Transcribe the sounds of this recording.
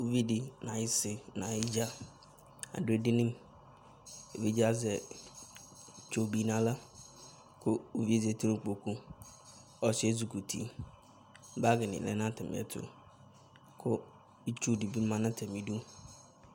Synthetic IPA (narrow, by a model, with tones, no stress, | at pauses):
o˨vi˦dɪ˨nã˨jɪ˦sɪ˨nã˨ɪ˦d͡ʒa˦ | a̰˨dʊ˦e˦dɪ˦nɪ̃˦m | e˨vi˦d͡ʒa˦zɛ˨ | t͡ʃo˨bi˨nã˨la˦ | kʰʊ˦o˨vi˦˨zɛ˨tʰi˦ɾõ˦˨k͡po˨ku˦ | ɔ˨se˦zu˨ku˨tʰḭ˨ | ba˦ɡɪ˨nɪ̰˨lɛ̰˦nã˦tɪ˨m̰˨ɛ̰˨tʰʊ̰˨ | kʰʊ˦ | i˦t͡ʃu˦˨di˨bi˦mã˨nã˦tʰɛ˨mi˨du˦